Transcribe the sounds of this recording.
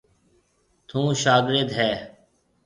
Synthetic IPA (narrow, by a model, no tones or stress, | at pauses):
t̪ʰũːʃaːɡɾed̪ɦɛː